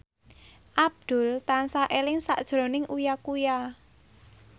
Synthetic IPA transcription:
ʔab̚d̪̥ʊ̤lt̪ansaʔelɪŋsa̰ʔd̥ʒ̥ɾo̤nɪŋujakuja

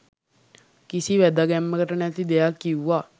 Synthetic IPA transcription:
kisiʋæd̪aɡɛmːəkəʈənæt̪id̪ejakːiuwːa

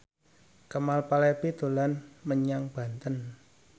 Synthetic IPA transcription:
kəmalpalɛpit̪o̤lanməɲaŋb̥ä̤nt̪ən

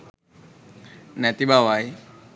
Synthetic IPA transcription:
nɛt̪ibawaj

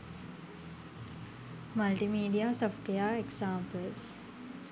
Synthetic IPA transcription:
mɐlʈimiːɖijasofʈʋejaeksaːmpəls

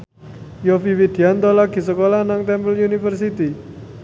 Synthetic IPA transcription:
jofiwid̪̥iant̪ɔlaɡ̥i̤səkolanaŋt̪ɛmpəljunifərsit̪i

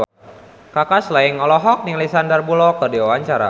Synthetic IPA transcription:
kakaslaiŋɔlɔɦɔk̚niŋlisandərbulɔkːərdiwawaɲt͡ʃaɾa̰

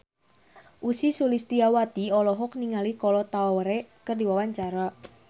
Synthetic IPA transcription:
ʔusisulist̪iawat̪iɔlɔɦɔkniŋalikɔlɔt̪aɔwɾekərdiwawaɲt͡ʃaɾa

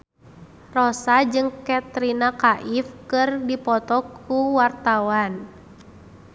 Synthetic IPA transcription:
rɔsad͡ʒɨŋkɛt̪ɾinakaʔifkɨrdipɔt̪ɔkːuwart̪awan

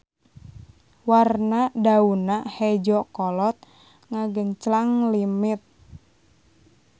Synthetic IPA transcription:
warnadaunahɛd͡ʒɔkɔlɔt̪̚ | ŋaɡənt͡ʃlaŋlimɪt̪̚

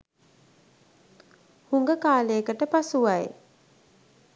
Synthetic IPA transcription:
huŋɡəkaːlejəkəʈəpasuʋaj

